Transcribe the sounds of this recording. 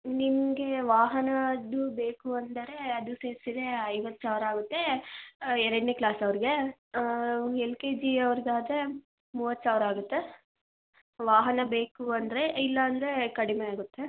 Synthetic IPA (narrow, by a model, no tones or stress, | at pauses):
nimɐɡe̞ʋaːɦɐnɐd̪ubeːkuɐnd̪ɐɾe̞ɐd̪useːɾsid̪e̞ɐjʋɐt̪ːsaːʋɐɾaːɡut̪ːe̞ | ɛɾɐɖneːklaːsɐʋɐɾiɡe̞ | elkeːd͡ʒiɐʋɐɾiɡaːd̪e̞ | muːʋɐt̪ːsaːʋɾaːɡut̪ːe̞ | ʋaːɦɐnɐbe̞ːkuɐnd̪ɐɾe̞ilːɐːnd̪ɐɾekɐɽimeaːɡut̪ːe̞